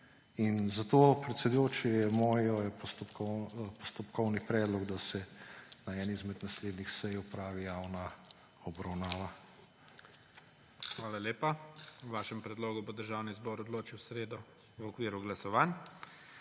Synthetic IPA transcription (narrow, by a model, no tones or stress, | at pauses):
inzat̪oːpɾɛt̪sɛd̪ujoːt͡ʃɛjɛmɔːjɔjɛpɔst̪ɔpkɔpɔst̪ɔpkɔwnipɾɛːd̪lɔɡd̪asɛnaɛːnizmɛd̪nasleːd̪nixsɛjʊpɾaːʋijaːwna | ɔbɾawnaːʋa | xʋaːlaleːpawʋaːʃɛmpɾɛd̪loːɡubod̪əɾʒawnizbɔːɾɔd̪loːt͡ʃiwsɾeːd̪ɔ | wɔkʋiːɾuɡlasɔʋan